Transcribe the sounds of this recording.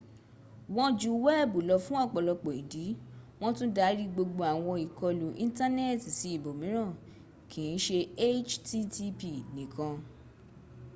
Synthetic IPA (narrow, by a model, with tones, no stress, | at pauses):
wɔ̃˦d͡ʒu˦wɛ˦˨bu˨lɔ˧fũ˦ɔ˦˨k͡pɔ˨lɔ˧k͡pɔ˨i˨di˨˦w̃ɔ̃˦tũ˦da˨˦ɾi˦ɡ͡bo˧ɡ͡bo˧a˨w̃ɔ̃˧i˨kɔ˧lu˨ʔḭ̃˧nta˦nɛ˦˨ti˨si˨˦i˦˨bo˨mĩ˨˦ɾ̃ã˦˨ | kʰĩ˨n̩˦ʃe˧e˦t͡ʃti˦ti˧pi˦˨nĩ˨kã˧